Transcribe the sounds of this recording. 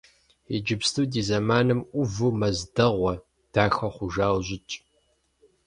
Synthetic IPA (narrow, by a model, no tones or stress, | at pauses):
ɛd͡ʒɪbstʰuːdiːzɐmaːnɨmʔʷʊvumɐzdɐʁʷɐ | d̥aːxɐχʷʊʒaːwʑɪt͡ʃʼ